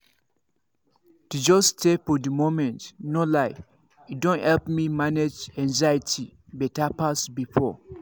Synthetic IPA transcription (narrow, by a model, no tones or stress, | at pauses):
tud͡ʒɔstefɔdəmomɛ̃ntnolaɪ | idõnhɛlpmimaned͡ʒɛ̃ŋzajətʰibɛtapasbifɔ